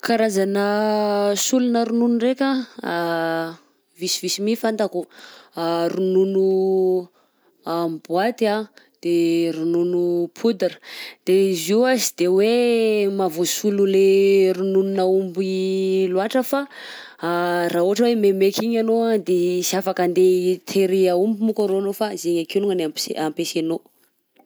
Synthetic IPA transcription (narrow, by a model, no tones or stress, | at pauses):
kaɾazanə | sulunəɾununurekʲa | visivisimifant̪aku | ɾununu | ambwat̪ia | d̪̥eɾununupʰud̪aɾə̥d̪̥eiziwazid̪ewemavosululeɾunununaumbiluaʈ͡ʂəfa | raːɦuɦaʈ͡ʂəwememekiɲanod̪esiafakand̪et̪ʰeɾiaumbumukaɾonofazeɲakeluŋanaeampeseno